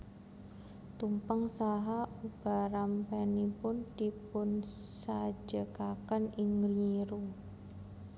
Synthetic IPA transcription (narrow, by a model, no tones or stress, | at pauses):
t̪umpaŋsaɦaub̥a̤ɾampanipʊnd̪̥i̤pʊn | sḁd͡ʒ̥əkakanɪŋrɲiɾu